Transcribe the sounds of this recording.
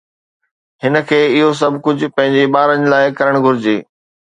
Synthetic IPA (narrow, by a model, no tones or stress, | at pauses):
ɦɪnə̆kʰeːɪɦos̬ɐbʱkʊd͡ʑʱʊpɐ̃ɦɪ̃ɲd͡ʑeɓaːɾənɪlaːɪkɐɾəɽ̃ɡʱʊɾɪd͡ʑeː